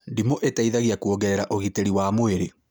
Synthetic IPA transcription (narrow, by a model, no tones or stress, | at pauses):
ndimoʔetaiðaɣiakuoɡɛɛɾaʔoɣiteɾiwamoeɾe